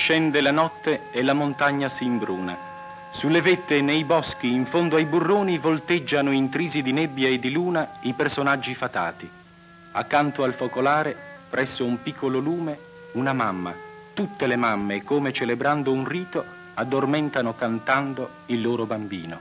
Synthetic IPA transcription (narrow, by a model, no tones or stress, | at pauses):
ʃɛnd̪elanɔt̪ːeelamont̪aɲːasimbɾuːna̰ | sulːevet̪ːenejbɔsk̟iːɱfond̪oajburːoːnivolt̪ed͡ʒːanoint̪ɾiːzid̪inebːjaed̪ːiluːnaipersonad͡ʒːifat̪a̰ːt̪i | akːant̪oalfokolaːɾepɾɛsːoumpikʰːololuːme | unamamːa̰ | t̪ut̪ːelemamːekoːmet͡ʃelebɾand̪ounriːt̪o | ad̪ːormɪnt̪anokant̪and̪o | ilːoːɾobambiːno̰